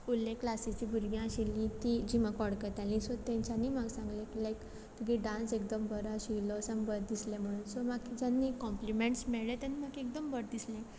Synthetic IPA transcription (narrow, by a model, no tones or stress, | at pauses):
ulːẽkːlasit͡ɕibuɾɡjãɕilːĩt̪id͡ʑimakʋɔɽkət̪alĩsot̪ãɲt͡ɕanimaɡsãŋɡlẽklajk | t̪ʰuɡiɖãnsek̚d̪əmbəɾaɕilɔsãmbəd̪islẽm̤əɽ̃uːnsɔmakːid͡ʑanːikɔ̃mplimẽɳʈsmeɭlet̪animakiek̚d̪əmbəɾd̪islẽ